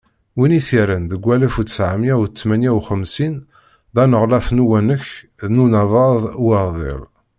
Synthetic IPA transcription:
winiθiɾənðəɡʷːælæfud̪ə̥sʕamjæwt̪ːmænjæwχəmsin | ðænəʁlæfnuwænəç | ðnunɑðˤɑðˤwəɾðˤɪ̰lˤ

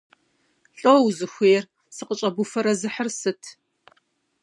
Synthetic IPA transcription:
ɬʼowzɨxʷeːr | sɨqət͡ʃʼɐbufɐɾɐzɨħərsɨtʰ

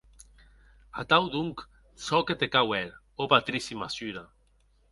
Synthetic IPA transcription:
a̰t̪awd̪uŋk | sɔket̪ekawɛɾ | opat̪ɾisimasyɾa

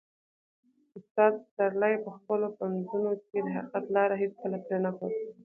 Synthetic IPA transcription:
ʊst̪ɑd̪saɾlajpəxpəlopanzunok̚ed̪əɦaqiqat̪lɑɾaɦet͡skəlapɾanapot

